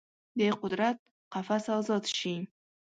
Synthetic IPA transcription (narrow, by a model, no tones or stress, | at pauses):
d̪ejqʊd̪ɾat̪̚ | qʰɑfasazɒt̪ʃiŋ